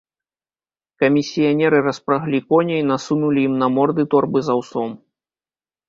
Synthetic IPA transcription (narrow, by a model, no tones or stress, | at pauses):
kɐmʲisʲijanʲɛɾɨrɐspɾaɣlʲikɔnʲɛjnasunulʲijimnɐmɔrd̪ɨt̪ɔrbɨzawsɔm